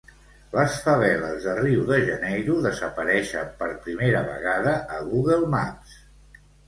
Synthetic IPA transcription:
ləsfəβ̞ɛləzðəriwðəʒənejɾuðəzəpəɾɛʃəpəɾpɾimeɾəβə̰ɣaðəʔəɣuɣəlˠma̰s

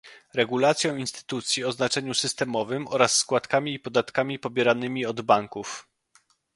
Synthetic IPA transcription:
ɾɛɡulat̪sʲjɔ̃w̃inst̪ɘ̥t̪ut̪sʲjiɔznat͡ʂɛɲusɘst̪ɛmɔvɘmɔɾasːkwat̪kamʲiːpɔd̪at̪kamʲipɔbʲjɛɾanɘmʲiɔd̪baŋkuf

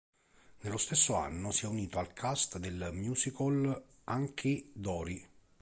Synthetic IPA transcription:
nelːost̪esːoa̰nːʊsiɛuniːt̪oalkʰast̪d̪elmjuːsikol | aŋkʰɪd̪ɔːɾi

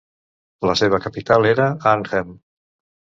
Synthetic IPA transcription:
ləseβ̞əkəpit̪aleɾəanɣem

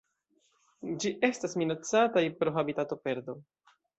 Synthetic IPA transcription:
d͡ʒiʔe̞stasminat͡satajpɾo̞xabitato̞pe̞ɾdo̞

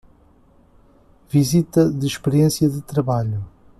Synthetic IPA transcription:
vizit̪ɐðɨʃpɨɾiẽsjɐðɨt̪ɾɐβaʎu

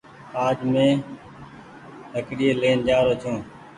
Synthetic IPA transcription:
aːd͡ʒmẽː | t̪əkɽiːeleːnd͡ʒaːɾoːt͡ʃʰõː

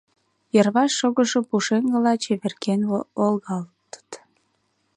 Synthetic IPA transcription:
jərβɑʃːoɣəʃopuʃeŋɡəlɑt͡ɕeβerkenoolɣɑlt̪ə̥t̪

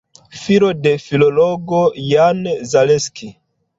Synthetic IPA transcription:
fiɾo̞de̞filoloɡojanzaleski

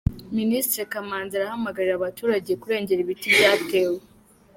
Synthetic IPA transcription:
ministɾekamaːnzaɾahamaɡaɾiɾaβatuːɾaɟe̞kuɾe̞ːɲɟe̞ɾiβitijaːtewe

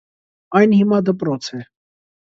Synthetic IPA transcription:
ɑjnhimɑd̪əpɾɔt͡sʰɛ

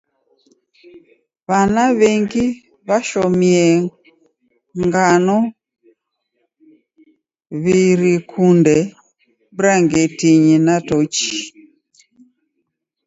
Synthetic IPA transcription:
βanaβɛŋɡi | βaʃɔmiɛ | ŋɡanɔ | βiɾikʰundɛ | buɾaŋɡɛtiɲinatɔt͡ʃi̥

